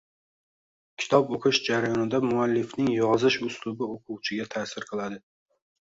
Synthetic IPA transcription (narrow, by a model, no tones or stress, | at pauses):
kʲʰɪ̥t̪ʰɒpoqʰɨʃd͡ʒaɾajɒnɪd̪amʊalːɪfnɪŋjɒzɪʃʊslʊbɪoqʰʊwt͡ʃʰɪɡʲat̪ʰasɪɾqʰɨlˠad̪ɪ